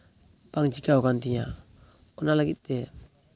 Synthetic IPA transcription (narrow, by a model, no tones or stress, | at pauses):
paŋt͡ʃikaokantiɲa | ɔnalakit̪̚ːɛ